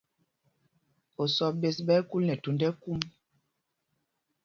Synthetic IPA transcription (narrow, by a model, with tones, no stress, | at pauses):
o˨sɔ˨be˨sɓɛ˦ku˦lnɛ˨tu˨ndɛ˦ku˦m